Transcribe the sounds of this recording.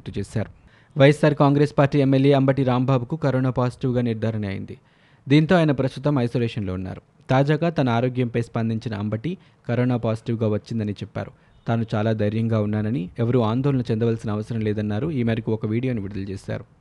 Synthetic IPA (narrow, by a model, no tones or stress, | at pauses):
kt̪ut͡ʃeːsa̰ːɾu | ʋɐjɐsaːɾkaːŋɡɾe̞ːspaːɾʈːiːemːelje̞ːɐmbɐʈiɾaːmbʱaːbukukɐɾoːnaːpaːsi̥ʈiːʋɡaːniɾd̪ʱaːɾɐɳɐːjḭnd̪i | d̪iːnt̪o̞ːaːjɐnɐpɾɐst̪ut̪ɐmɐjsoːleːʂɐnlo̞ːunːa̰ːɾu | t̪aːd͡ʒaːɡaːt̪ɐnɐaːɾoːɡjɐmpɐjspɐnd̪ʱiɲt͡ʃinɐɐmbɐʈi | kɐɾoːnaːpaːsi̥ʈiːʋɡaːʋɐt͡ʃːind̪ɐnit͡ʃɛpːa̰ːɾu | t̪aːnut͡ʃaːlaːd̪ʱɐjɾjɐŋɡaːunːaːɾɐniɛʋɐɾuaːnd̪ɔːlɐnɐt͡ʃend̪ɐʋaːlsinɐːʋɐsɐɾɐmlɛːd̪ɐnːaːɾuiːmeːɾɐkuɔkɐʋiːɽijo̞ːniʋiɾud̪ɐlt͡ʃeːsa̰ːɾu